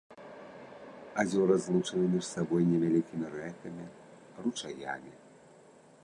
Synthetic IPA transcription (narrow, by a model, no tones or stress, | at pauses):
azʲɔɾɐzlˠut͡ʂɨnɨmʲiʂsabɔjnʲɛvʲalʲikʲimʲiɾɛkɐmʲi | rut͡ʂaja̰mʲi